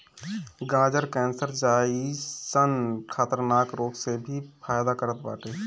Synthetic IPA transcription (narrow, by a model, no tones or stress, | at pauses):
ɡãːd͡ʒəɾkɛ̃ːnsəɾd͡ʒaːisənkʰaːt̪əɾnaːkɾoːksebʱifʰaːjd̪akəɾət̪ba̰ːʈeː